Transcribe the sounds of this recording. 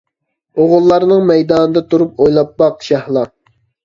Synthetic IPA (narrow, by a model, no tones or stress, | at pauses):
oʁʊlˠːɑɾnɨŋmɛjd̪ɑːnɨd̪ɑt̪ʰuɾup̚ojlˠɑpbɑqʃɑhlˠɑ